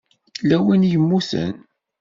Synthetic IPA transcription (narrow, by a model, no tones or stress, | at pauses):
læwinjəmːuθə̰n